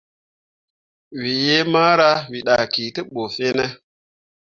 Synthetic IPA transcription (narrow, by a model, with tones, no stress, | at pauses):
wi˨je˦ma˦ɾa˦wi˨ɗa˨ki˨tə˦ɓo˨fe˦ne˦